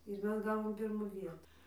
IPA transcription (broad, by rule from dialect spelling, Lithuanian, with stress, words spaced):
ɪr ˈmʲɛs ˈɡɑːʋoːm ˈpʲɪrmʊ ˈʋʲiɛtʊ